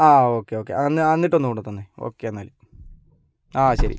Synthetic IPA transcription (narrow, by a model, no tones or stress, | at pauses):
aːoːkːeoːkːḛɐnːɐnːiʈːo̞nːukoɳːɖut̪ːonːeo̰ːkːeɐnːaːli | aːɕɐɾḭ